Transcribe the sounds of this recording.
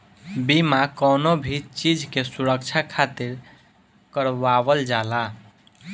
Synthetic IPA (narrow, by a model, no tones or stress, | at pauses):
bimakənobʱit͡ʃid͡ʒʱkesuɾəkt͡ʃʰakʰat̪iɾ | kəɾʋabəld͡ʒala